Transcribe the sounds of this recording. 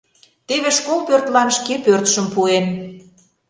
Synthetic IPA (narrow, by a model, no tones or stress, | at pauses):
t̪eβeʃkolpørt̪lɑnʃkepørt̪ʃə̆mpuen